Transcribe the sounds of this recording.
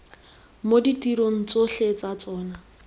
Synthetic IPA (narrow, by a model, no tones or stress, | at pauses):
moditiɾoŋ̩t͡soɬet͡sat͡sɔːna